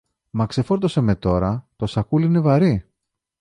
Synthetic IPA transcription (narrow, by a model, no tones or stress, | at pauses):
mɐkse̞fo̞ɾt̪o̞seme̞t̪o̞ɾɐt̪o̞sɐkulinevɐɾi